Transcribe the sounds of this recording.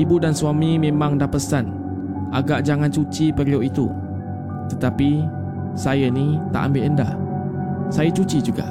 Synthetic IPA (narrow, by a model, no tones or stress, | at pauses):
ibudansuamimẽmaŋdahpəsan | ʔaɡaʔd͡ʒaŋant͡ʃut͡ʃipərioʔit̪ṵ | t̪ət̪api | sajanit̪a̰ʔa̰mbeʔənda̰ | sajat͡ʃut͡ʃid͡ʒuɡa̰